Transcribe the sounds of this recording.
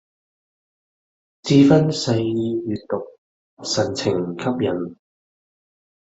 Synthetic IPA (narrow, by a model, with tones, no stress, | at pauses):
t͡siː˧fɐ˥nsɐ˧jjiː˧jyː˨tt̪ʊ˨k̚ | sɐ˨˩nt͡sʰɪ˨˩ŋkʰɐ˥p̚jɐ˨˩n